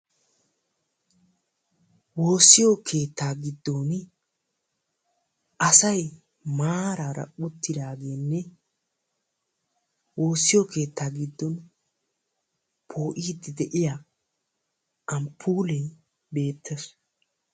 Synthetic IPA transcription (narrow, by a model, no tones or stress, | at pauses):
wo̞ːsːɪjokʰe̞ːt̪ːaːɡɪd̪ːo̞ːn | ʔɐsɐj | maːɾaːɾɐ̰ʊt̪ːɪd̪aːɡe̞ːnːɛ | wo̞ːsːɪjokʰe̞ːt̪ːaːɡɪd̪ːɔn | pʰo̞ːʔiːd̪ːɪd̪ɛʔɪja | ʔɐmpʰːuːlɛj | be̞ːt̪ʰːɛs